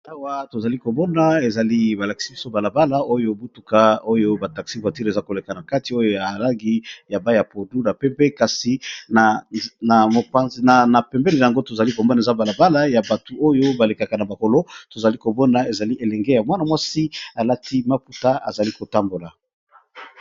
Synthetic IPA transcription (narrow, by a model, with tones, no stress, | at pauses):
a˦wa˦to˨za˨li˦ko˨bɔ˦na˦e˨za˨li˦ba˨la˨ki̥˨si˦bi˦so˦ba˨la˨ba˦la˦o˦jo˦bu˦tu˨ka˦o˦jo˦ba˨ta˨ksi˦ba˨ti˦ɾe˨za˦ko˨le˨ka˨na˨ka˦ti˨˦o˦jo˦ja˨la˦ŋɡi˦ja˨ba˦ja˨po˨du˦na˨pɛ˦mpɛ˦ka˨si˦na˨na˨mo˨pa˦nzna˨na˨pɛ˨mbɛ˦le˨a˨ŋɡo˦to˨za˨li˦ko˨mba˦na˨za˦ba˨la˨ba˦la˦ja˨ba˨tu˨ʔo˦jo˦ba˨le˨ka˨ka˨na˨ba˨ko˨lo˦to˨za˨li˦ko˨mɔ˦na˨e˨za˨li˦ʔe˨lɛ˨ŋɡe˦ja˨mwa˦na˨mwa˦si˦a˨la˦ti˦ma˦pu˦ta˦a̰˨za˨li˦ko˨ta˦mbo˨la˨